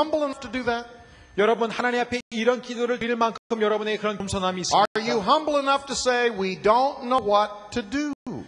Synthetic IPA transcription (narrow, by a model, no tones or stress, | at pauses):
ʌ̃mbl̩ˠɪnʌftʰɨdɨðæt̚ | jʌɾʌbunhanaɲimapʰe̞iɾʌnkidoɾɯɭiɭmankʰɯkʰɯmjʌɾʌbuneekɯɾʌnkmsʰʌnɦamiːs͈əjɨɦʌ̃mbl̩ˠɪnʌftʰɨseɪwidõʊ̃nnoʊwʌtʰɨdu